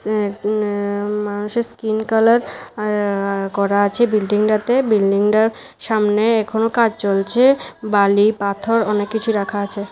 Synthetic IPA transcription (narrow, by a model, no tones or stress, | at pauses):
manuʃeɾskinkalaɾ | kɔɾaat͡ɕʰebilɖiŋɖat̪ebilɖiŋɖaɾ | ʃamneɛkʰonokad͡ʑt͡ɕolt͡ɕʰebalipat̪ʰoɾɔnekːit͡ɕʰuɾakʰaat͡ɕʰe